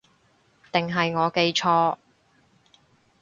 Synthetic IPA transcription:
t̪ɪ˨ŋɦɐ˨jŋɔː˨˧ke˧jt͡ʃʰɔː˧

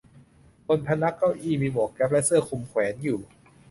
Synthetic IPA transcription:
bo˧npʰa˧na˦˥kːa˥˩wʔiː˥˩miː˧bo˨˩˦kːɛ˦˥p̚lɛ˦˥sɤː˥˩kʰu˧mkʰwɛː˩˦njuː˨˩

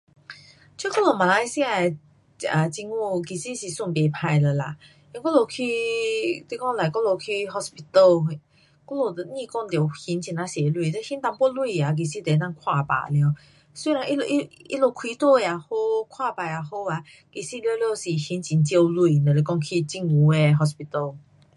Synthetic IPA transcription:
t͡ɕʰkɔ˥lo˨˩mã˨la˧jsi˧a˨ | a˨˩t͡ɕi˧ŋu˥˧ki˨˩si˦si˨˩su˥˨npe˨˩pʰa˧jlə˨˩la˧˨ | ji˧˦kɔ˥˦lo˨˩kʰi˦˧t̪i˧kɔ˥˦˧ŋla˨˩kɔ˧˦lo˧˩kʰi˧ɦɔ˧spi˧t̪ə˧˨l | kɔ˥˦lo˧˨˩t̪ə˨nĩ˥˧kɔ˥˧˨ŋt̪jhi˧˦nt͡ɕi˨˧˩na˧se˨lu˧˨t̪e˧˦hi˨˦nt̪a˧ŋpwɔ˥˦lu˧˨a˨k̬i˨˩si˦˧˨t̪e˨˦nã˥˧˨ŋkʰwa˥˧˨pa̰˨˩lj | si˧la˧ŋʔi˦lo˧ʔi˦ḭ˦lo˧˩kʰwi˧˦t̪ɔ˥˧˨a˨ho˧kʰwa˥˧pa˨˩ja˨˩ho˧a˧˩ | ki˨˩si˧lljo˧si˨˩hi˨˦nt͡ɕi˨˦nt͡ɕe˧lu˧˨nə˨le˧˩kɔ˥˧ŋkʰi˧t͡ɕi˧ŋu˧˦e˨ɦɔ˧s̬pi˧t̪ə˧˩l

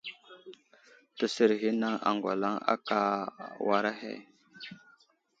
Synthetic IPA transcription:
tə˨sə˨ɾɦi˦na˦ŋa̰˨ŋɡʷa̰˨la˦ŋa̰˦ka˦wa˨ɾa˦ɦḛ˦˨

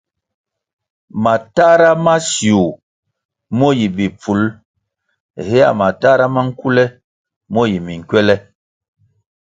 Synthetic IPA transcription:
ma˨ta˦ɾa˦ma˦sju˨ | mɔ˦ji˨bi˨p͡fu˨˦l | hɛ˦a̰˨ma˨ta˦ɾa˦ma˦ŋ̩˦ku˦lɛ˦ | mɔ˦ji˨mi˨ŋ̩˨kwɛ˦lɛ˦

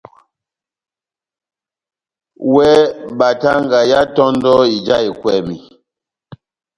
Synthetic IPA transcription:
wɛ˦ba˨ta˦ŋ˦ɡa˨ja˦tɔ˦n˦dɔ˦i˨d͡ʒa˦i˨kwɛ˨mi˨

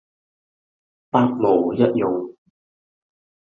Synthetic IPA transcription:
paː˥t̚mo˨˩wjɐ˦˥t̚jʊ˨ŋ

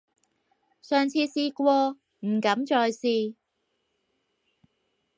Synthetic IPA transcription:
sœː˨ŋt͡sʰiː˧siː˧kʷɔː˧ | m̩˨˩kɐ˨˥mt͡ʃɔː˧jsiː˧

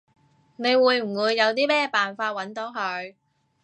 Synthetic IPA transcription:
ne˨˧jwuː˨˧jm̩˨˩wuː˨˧jːɐ˨˧wt̪̬iː˥mɛː˥paː˨nfaː˧t̚wɐ˨˥nt̪o˨˥ɦɵ˧ɥ

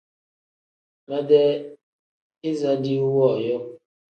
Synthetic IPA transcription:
mɛ˦dɛ˦ | i˦za˦di˦u˦wɔ˦˨jɔ˦

